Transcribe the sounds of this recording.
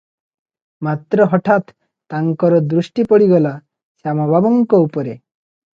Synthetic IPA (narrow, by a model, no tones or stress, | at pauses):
mat̪ɾɔɦɔʈʰat̪ː | aŋkɔɾɔd̪ɾuʃʈipɔɽiɡɔla | samɔbʱabɔŋkɔupɔɾe